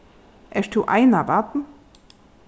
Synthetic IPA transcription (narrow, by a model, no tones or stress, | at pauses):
ʔɛʃtuʔa̰ɪnavat̪n̩